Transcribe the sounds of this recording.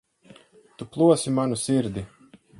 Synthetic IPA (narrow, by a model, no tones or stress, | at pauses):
t̪uplˠuɔsimanusiɾd̪i